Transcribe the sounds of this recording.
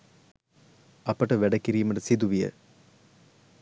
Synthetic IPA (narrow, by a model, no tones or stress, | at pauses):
ɐpɐʈɐʋɛɖɐkːiɾijumɐʈɐsid̪uʋijə̰